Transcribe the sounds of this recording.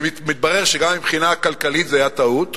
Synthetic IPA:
mit̪̚baʁeʁʃeɡamːibχinaːkalkalit̪zeajat̪aut̪

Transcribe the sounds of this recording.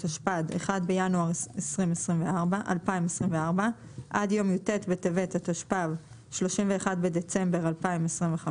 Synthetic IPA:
taʃpadeχadbe̞januaʁesʁimesʁimveaʁbaʔa̰lpaimesʁimveaʁbaʔadjo̞mjutetbetevetataʃpav | ʃlo̞ʃimve̞ːχadbe̞de̞t͡se̞mbe̞ʁalpaimesʁimveχa

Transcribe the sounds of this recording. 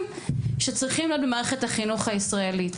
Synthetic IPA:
m | ʃet͡sʁiχimliot̪̚bemaːʁeχetaχinuχaisʁaelit

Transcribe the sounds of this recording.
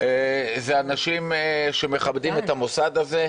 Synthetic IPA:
ezeanaʃimʃe̞meχabd̪imet̪amosad̪aze

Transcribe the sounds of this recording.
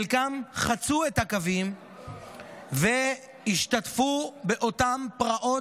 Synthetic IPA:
lkamχat͡suethakavim | ve | hiʃt̪atfubeʔo̞tampʁaʔo̞

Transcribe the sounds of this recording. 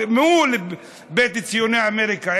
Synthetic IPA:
meule | bet̪it͡sijoneaameɾika

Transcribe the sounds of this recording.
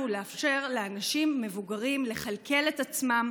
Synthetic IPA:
uleafʃe̞ʁleanaʃimːe̞vuɡaʁimle̞χalke̞le̞tat͡smam

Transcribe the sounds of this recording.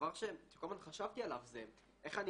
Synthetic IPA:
vaʁʃeʃe̥kolmanχaʃavt̪ialavze | ʔeχani

